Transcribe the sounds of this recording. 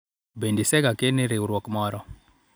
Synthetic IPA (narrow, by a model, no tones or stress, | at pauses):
bendisɛɡakeneɾeuɾwokmɔɾɔ